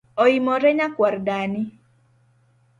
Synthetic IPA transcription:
oimɔɾɛɲakwardani

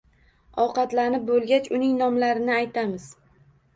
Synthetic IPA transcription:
ɒwqɑt̪lanɪp̚bolˠɡʲat͡ʃʊnɪŋnɒmlaɾɪnɪajt̪ʰamɪz̥

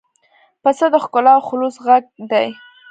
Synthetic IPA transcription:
pəsəd̪əxkʊlɑwxʊlusɣaɡ̚d̪aj

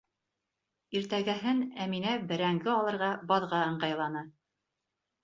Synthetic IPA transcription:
iɾt̪æɡæɦɘnæminæbɘ̆ɾæŋɡɘɑlˠɤ̆ɾʁɑbɑðʁɑɤ̆ɴɢɑjlˠɑnɤ

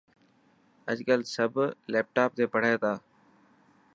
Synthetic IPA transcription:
əd͡ʒkəlsəbleːp̚ʈaːp̚t̪eːpəɽ̤eːt̪aː

